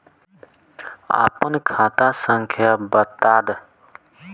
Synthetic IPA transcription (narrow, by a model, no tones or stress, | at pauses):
a̰ːpənkʰaːt̪aːsəŋkʰjaːbət̪aːd̪